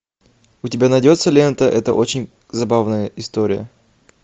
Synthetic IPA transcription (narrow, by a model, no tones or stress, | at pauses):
ʊtʲɪbʲanɐjdʲot̪səlʲent̪əʔɛt̪ə̰ʔot͡ɕɪnʲ | zɐbavnəjəɪst̪oɾʲɪjə̰